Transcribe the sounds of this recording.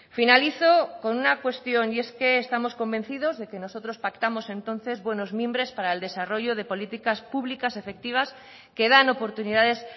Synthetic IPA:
finaliθoko̞nunakwe̞st̪jo̞nie̞skeːst̪amo̞sko̞mbẽ̞n̟θið̞o̞zðe̞ke̞no̞sot̪ɾospakt̪amosẽ̞nt̪õ̞n̟θe̞zβwe̞no̞zmjẽmbɾe̞spaɾaeld̪e̞saro̞ʝoðe̞po̞lit̪ikaspuβlikasefe̞k̚t̪iβ̞as | keð̞ano̞po̞ɾt̪uniðaðe̞s

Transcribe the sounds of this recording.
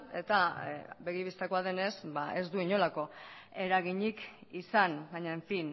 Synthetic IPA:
e̞t̪abe̞ɣiβist̪ako̞aðe̞ne̞sbae̞zd̪uiɲo̞lako̞e̞ɾaɣiɲikisanbaɲaeɱfin

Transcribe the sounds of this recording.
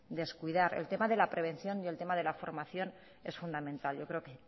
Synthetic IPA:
d̪e̞skuiðaɾe̞̰lt̪e̞maðe̞lapɾe̞β̞e̞nθjo̞nie̞lt̪e̞maðe̞lafo̞ɾmaθjo̞n | e̞sfund̪amẽ̞nt̪alʝo̞kɾe̞oke

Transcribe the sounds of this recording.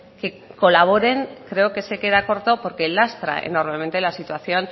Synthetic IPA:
ke̞ | ko̞laβ̞o̞ɾe̞ŋkɾe̞okese̞ke̞ðako̞ɾt̪o̞po̞ɾke̞last̪ɾa̰ʔḛno̞ɾme̞ment̪e̞lasit̪waθjo̞n

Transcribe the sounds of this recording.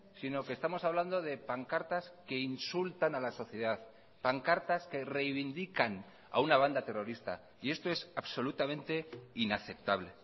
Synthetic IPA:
sinoke̞st̪amo̞saβland̪o̞ðe̞paŋkaɾt̪aske̞insult̪analaso̞θje̞ðaθ | paŋkaɾt̪aske̞re̞jβind̪ikan | a̰unaβ̞and̪at̪e̞ro̞ɾist̪a̰ | ie̞st̪o̞e̞saβso̞lut̪amẽ̞nt̪e̞inaθe̞p̚t̪aβle̞

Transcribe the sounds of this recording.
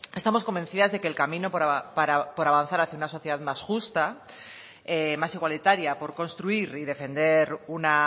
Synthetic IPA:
e̞st̪amosko̞mbe̞nθiðazðe̞keːlkamĩnopɾapaɾapo̞ɾaβan̟θaɾaθjaunaso̞θjeðaðmasxust̪a | emasiɣwalit̪aɾjapo̞ɾko̞nst̪ɾuiɾiðe̞fe̞nd̪e̞ɾuna

